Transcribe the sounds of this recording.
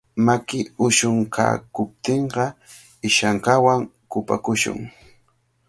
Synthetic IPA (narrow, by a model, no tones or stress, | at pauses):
makɪʊʃʊŋkʰa̰ːkʊp̚t̪eɴɢɑ | ɪʃaɴkawaŋkʊpa̰kʊʃʊ̰ŋ